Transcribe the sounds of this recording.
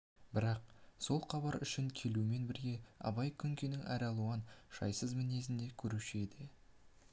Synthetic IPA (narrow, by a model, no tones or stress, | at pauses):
bɪɾɑq̚so̞lˠqɑbɑɾʏ̰ʃɪŋkʲʰe̞lume̞nbɪɾɡʲe̞ɑ̰bɑjkʲʰʏŋkʲenɪŋæ̰ɾɑlˠuɑnʃɑ̰jsəzmɪne̞zɪnd̪e̞kʲʰɵɾuʃed̪ɪ